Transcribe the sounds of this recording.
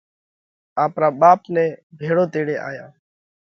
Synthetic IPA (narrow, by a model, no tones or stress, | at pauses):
aːpɾaːɓaːpnɛ̃ːbʱeːɽoːt̪eːɽeːʔa̰ːjaː